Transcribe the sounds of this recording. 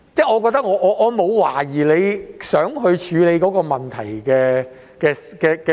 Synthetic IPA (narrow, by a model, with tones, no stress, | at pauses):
t͡sɛː˥˩ŋɔː˨˧kɔː˧t̪ɐ˥k̚ŋɔː˨˧ʔɔː˨˧ʔɔː˨˧mo˨˧wwaː˨˩jiː˨˩le˨˧jsœː˨˥ŋɦɵ˧ɥt͡ʃʰyː˨˧le˨˧jkɔː˨˥kɔː˧mɐ˨nt̪ʰɐ˨˩jkɛː˧ | kɛː˧ | kɛː˧kɛ˧